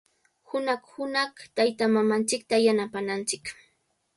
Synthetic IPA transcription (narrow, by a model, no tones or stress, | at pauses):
hʊnaχhʊnɑχt̪ajt̪amamant͡ʃɪk̚t̪ajanapanant͡ʃɪk